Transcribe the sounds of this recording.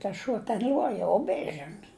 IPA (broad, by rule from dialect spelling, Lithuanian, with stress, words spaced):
tɐs ˈʃuɔ tʲɛn ˈlʲuɔjɛ ʊ ˈbʲeːs ˈʒʲɪn